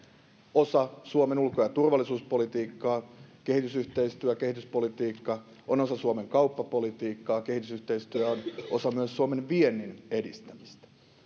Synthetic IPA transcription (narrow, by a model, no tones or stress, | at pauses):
osɑsuomenulkojɑt̪urʋɑlːˑisuːspolit̪iːkːɑːkehit̪ysyht̪eist̪yækehit̪yspolit̪iːkːɑ | onosɑsuomeŋkɑupːɑpolit̪iːkːɑːkehit̪ysyht̪eist̪yæonosɑmyøssuomenʋienːinedist̪æmist̪æ̥